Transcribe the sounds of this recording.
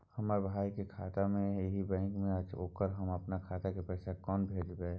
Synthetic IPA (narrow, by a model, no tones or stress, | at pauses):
həmaːbʱaːikekʰaːt̪amẽeɦibɛ̃ːŋkmẽət͡ʃo̰ːkəɾɦəməpnakʰaːt̪akepɛːsakɔːnbʱeːd͡ʒbɛ